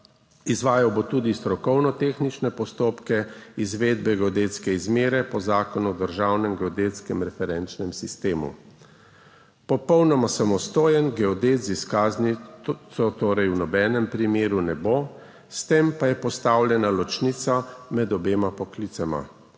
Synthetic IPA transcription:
izʋaːjawbot̪uːd̪ist̪ɾɔkɔwnɔt̪eːxnit͡ʃnɛpɔst̪oːpkɛizʋeːd̪̚bɛɡɛɔd̪eːt̪skɛizmeːɾɛpɔzaːkɔnuɔd̪əɾʒawnɛmɡɛɔd̪eːt̪skɛmɾɛfɛɾɛnt͡ʃnɛmsist̪eːmṵ | pɔpɔwnɔmasamɔst̪oːjɛnɡɛɔd̪eːt̪ziskaznisɔt̪oːɾɛjwnɔbɛːnɛmpɾimeːɾunɛboː | st̪empajɛpɔst̪aːwlʲjɛnalɔt͡ʃnit̪samɛd̪ɔbeːmapɔklit̪sama̰

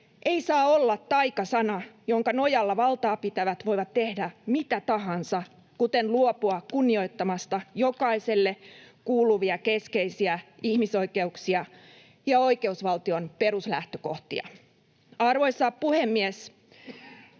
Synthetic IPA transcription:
ʔeisɑːolːɑt̪t̪ːɑikɑsɑnɑjoŋkɑnojɑlːɑʋɑlt̪ɑːpit̪æʋæt̪ʋo̞iʋɑt̪tːehdæmit̪æt̪ɑɦɑnsɑ | kut̪enluopuɑkunːio̞it̪ːɑmɑst̪ɑjokɑise̞lːekuːluʋiɑkeskeisiæihmiso̞ikeuksiɑ | jɑo̞ike̞usʋɑlt̪io̞npeɾuslæht̪øko̞ht̪iɑ̰ | ɑrʋoisːɑːppuhemːies

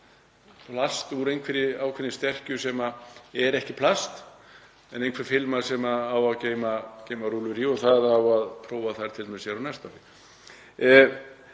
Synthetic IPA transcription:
pʰlast̪uɾejnkʰvɛɾɪaːwkʰvɛnːɪst̪ɛr̥cʏsɛmaɛɾɛhcɪpʰlast̪ | ɛnejnkʰvɛɾ̥fɪlmasɛmaːwaðceːjmaceːjmaɾuːlʏɾiɔθaðawaðpʰɾoːwvaθajɾt̪ʰɪlt̪ʰamsjɛɾawnɛst̪aɾɪ

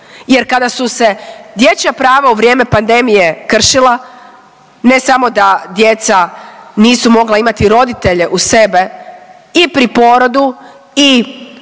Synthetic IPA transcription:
je̞ɾkad̪asuse̞d̪je̞t͡ɕapɾaːʋauʋɾje̞ːme̞pand̪e̞mije̞kr̩ʃilˠa | ne̞samo̞d̪ad̪je̞t̪saniːsumo̞ɡlaimat̪iɾo̞d̪it̪e̞ʎe̞ʔuse̞be̞ | ipɾipo̞ɾo̞d̪u | i

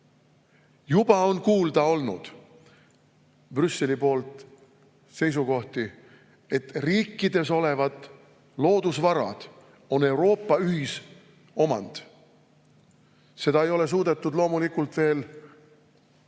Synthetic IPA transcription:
jubɑo̞nkuːld̪ɑo̞lnṵd̪̥ | b̥rysːe̞lipo̞ːlt̪ | se̞js̬uko̞ht̪i | e̞t̪riːkˑːid̪̥e̞so̞le̞vɑd̪ | lo̞ːd̪̥usvɑɾɑ̰d̪̥ | o̞ne̞uwɾo̞ːpːɑyɦis | o̞mɑ̰nd̪̥ | se̞d̪ɑejo̞le̞s̬uːd̪e̞t̪ːˑud̪lo̞ːmulikult̪ve̞ːl

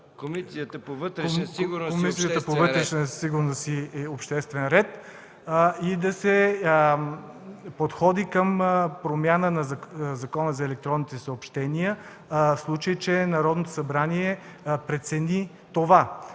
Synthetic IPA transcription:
komiijət̪əpovət̪ɾɛiɡʊkomisijət̪əpovət̪ɾɛʃnəsiɡʊɾnosiɛopʃt̪ɛst̪vɛnɾɛt̪ | id̪ɐsɛ | pot̪xɔd̪ikəmpɾomʲjanənɐzzɐkɔnəzɐɛlɛk̚t̪ɾɔnit̪ɛsəopʃt̪ɛnijə | fslˠut͡ʃəjt͡ʃɛnɐɾɔd̪not̪o̥sɐbɾaniɛpɾɛt̪sɛni | t̪ova

